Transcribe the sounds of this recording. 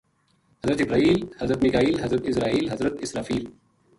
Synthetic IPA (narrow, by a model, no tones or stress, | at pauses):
hɐzɾɐt̪ɪbɾaːiːlhɐzɾɐt̪mikaːiːlɦɐzɾɐt̪ɪsɾaːiːlɦɐzɾɐt̪ɪsɾaːfiːl